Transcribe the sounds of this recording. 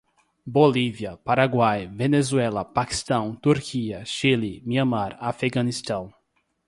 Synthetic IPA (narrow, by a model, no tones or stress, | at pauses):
boliviɐpaɾaɡwajvenezuɛlɐpaki̥st̪ɐ̃w̃t̪uɾkʰiɐʃilimiɐ̃maɾafeɡɐ̃nist̪ɐ̃w̃